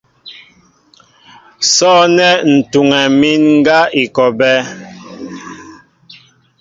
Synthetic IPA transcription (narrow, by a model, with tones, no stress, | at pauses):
sɔ˦nɛ˦n̩˨tu˨ŋɛ˨mi˦nŋ̩˦ɡa˦i˨kɔ˨bɛ˦